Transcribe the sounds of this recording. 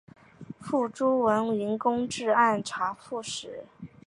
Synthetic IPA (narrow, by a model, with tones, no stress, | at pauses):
fu˥˩ʈ͡ʂu˥wə˧˥ni˧˥nkʊ˥ŋʈ͡ʂɻ̩˥˧a˥˩nʈ͡ʂʰa˧˥fu˥˩ʂɻ̩˨˩˦